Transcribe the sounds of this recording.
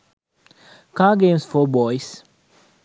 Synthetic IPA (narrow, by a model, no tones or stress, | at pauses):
kaːɡẽmsfɔbɔjs